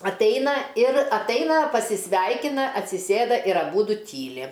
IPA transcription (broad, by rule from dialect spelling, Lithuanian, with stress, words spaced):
ɐtˈɐɪnɐ ɪr ɐtˈɐɪnɐ pɐsʲɪsʲˈʋʲɛɪkʲɪnɐ ɐtʲsʲɪˈsʲeːdɐ ɪr ɐˈbʊdʊ ˈtʲiːlʲɪ